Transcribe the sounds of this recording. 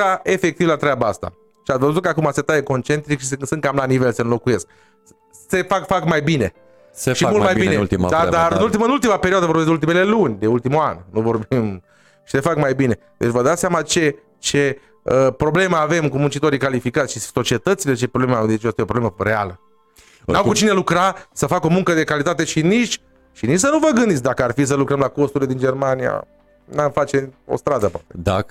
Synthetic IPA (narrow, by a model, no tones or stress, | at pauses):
ae̞fe̞k̚t̪ivlat̪ɾʲeabaast̪a̰ | ʃiat̪vəzut̪̚kəakumaset̪ajeko̞nt͡ʃe̞nt̪ɾikʃissɨn̚kamlanive̞lsənlo̞kuje̞sk̚ | se̞fakfakmajbine̞ | eʃimult̪majbinet̪ḭd̪ad̪aɾɨnult̪iməɨnult̪imape̞ɾioad̪əvorbesd̪ult̪ime̞le̞lunʲd̪e̞ult̪imuannuvo̞rbim | ʃi̥se̞fakmajbine̞d̪et͡ʃʲvəd̪at̪seamat͡ʃe̞ | t͡ʃe̞ | əpɾo̞ble̞məave̞mkumunt͡ʃit̪o̞ɾijkalifikat̪sʲʃiso̞t͡ʃie̞t̪ət̪sile̞t͡ʃe̞pɾoblemad̪et͡ʃoast̪ajeopɾoblemərea̰lə | nawkut͡ʃinelukɾasəfako̞muŋkəd̪e̞kalit̪at̪e̞ʃiniʃ | ʃiniʃsənuvəɡɨnd̪it̪ʲd̪akəarfis̬əlukɾəmlakost̪uɾiled̪ind͡ʒe̞rmanija̰ | namfat͡ʃeo̞̰st̪ɾad̪əpwat̪ed̪a̰